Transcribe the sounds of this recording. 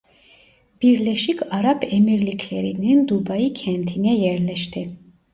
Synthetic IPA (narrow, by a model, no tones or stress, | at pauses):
b̥iɾlɛʃikʰaɾapʰɛmiɾlikʰlɛɾinind̪ubajikʰɛnt̪ʰinɛjɛɾlɛʃt̪ʰi